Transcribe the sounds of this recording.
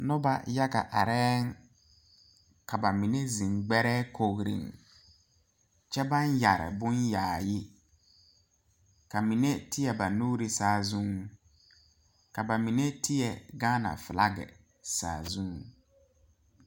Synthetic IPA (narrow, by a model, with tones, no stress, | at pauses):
nʊ˦ba̰˨ja˦ɡa̰˨ʔa̰˨ɾɛː˦ŋ | ka˨ba˨mi˨ne˦zĩ˨ŋɡ͡bɛ˦ɾɛː˦kʰo˦ɣɾḭ˨ŋ | t͡ʃɛ˦ba˦nja˨ɾɪ̰˨bʊ˦njaː˨jɪ˦ | ka˨mi˨ne˦tɪ˦jɛ˨ba˨nuː˦ɾi˦saː˦zũ˦ŋ | ka˨ba˨mi˨ne˦tʰɪ˦jɛ˨ɡaː˦na̰˨fɪ˨la̰˦ɡɛ̰˨ | sa̰ː˨zũ˦ŋ